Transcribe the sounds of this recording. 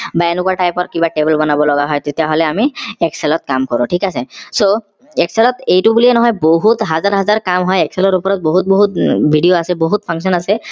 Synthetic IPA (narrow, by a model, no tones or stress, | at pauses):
baenʊkuaʈajpɔtkibaʈebɛlbɔnabɔlɔɡaɦɔjt̪et̪jaɦolɛamiɛksɛlɔt̪̚kamkɔɹʊ̃ʈʰikasɛso | ɛksɛlɔt̪ejtubuliɛnɔɦɔjboɦut̪ɦazaɹɦazaɹkamɦɔjɛksɛlɔɹupɔɹɔt̪̚boɦut̪̚boɦut̪̚bʱiɖijoasɛboɦut̪̚pʰaŋsɔnasɛ